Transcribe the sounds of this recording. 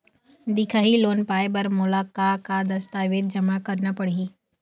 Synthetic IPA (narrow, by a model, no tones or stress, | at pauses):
d̪ɪkʰaːɦiloːnpaːjbɐɾmʊlaːkakad̪ɐst̪aːʋeːd̪̚d͡ʒɐmakɐɾnapɐɽ̤iː